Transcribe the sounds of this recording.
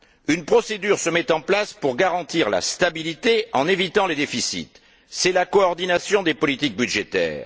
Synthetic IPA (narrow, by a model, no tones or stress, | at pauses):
ynpχɔsed̪yʁsəmɛt̪ɑ̃plaspuʁɡaʁɑ̃t̪iʁla̰st̪abilit̪eɑ̃nevit̪ɑ̃led̪efisḭt̪ | sɛlakɔɔʁd̪inasjɔ̃d̪epɔlit̪ik̚byd̪ʒet̪ɛ̰ːʁ